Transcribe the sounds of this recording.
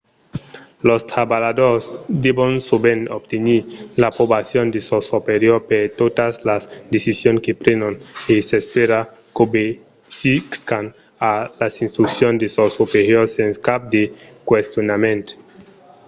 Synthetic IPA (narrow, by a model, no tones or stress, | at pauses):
lost̪ɾabalad̪oɾsd̪ebonsobenobt̪eniɾlapɾobasjond̪esosopeɾjoɾpeɾt̪ot̪aslasd̪esisjonkepɾenonesespeɾa | kobe | sikskan | alasinst̪ɾuksjond̪esosopeɾjoɾsenskap̚d̪ekwest̪jonamẽnt̪e̥